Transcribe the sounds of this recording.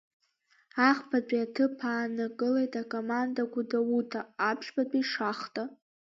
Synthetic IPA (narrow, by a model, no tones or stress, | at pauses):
aχpʰat͡pʷʼiatʰɨpʰaːnɨkʼɨlejtʼakʼomandaɡʷudawutʰaːpʰʃbat͡pʼiʂaχtʼa